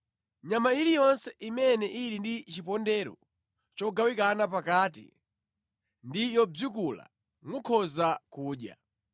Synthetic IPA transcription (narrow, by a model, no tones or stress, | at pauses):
ɲamaiɾijɔnsɛʔimɛnɛʔiɾindit͡ʃipɔndɛɾɔ̰ | t͡ʃɔɡawikanapakaːtḭ | ndijɔb͡ʐukula̰ | mukʰɔzakuːɗja̰